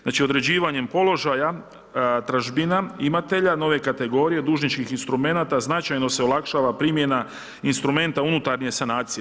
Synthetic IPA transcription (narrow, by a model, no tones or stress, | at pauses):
znaːt͡ʃiod̪ɾe̞d͡ʑiːʋaɲe̞mpo̞lo̞ʒaja | t̪ɾaʒbinaimat̪e̞ʎano̞ʋe̞kat̪e̞ɡo̞ɾije̞d̪uːʒnit͡ʃkixinst̪ɾume̞nat̪aznat͡ʃajno̞se̞o̞lˠakʃaːʋapɾiːmje̞na | inst̪ɾume̞nt̪aunut̪aɾɲie̞sanaːt̪sije